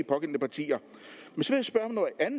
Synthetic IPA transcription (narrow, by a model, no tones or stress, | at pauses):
ipʰɒ̽ɡ̥en̰nəpʰɑ̈t͡sʰḭːɐ | mensɒʋe̝jæsb̥ɶɐhmnɒʔæn